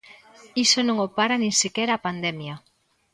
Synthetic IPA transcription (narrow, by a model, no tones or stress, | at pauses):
isonõŋopaɾanĩŋsekɛɾɐːpand̪ɛmjɐ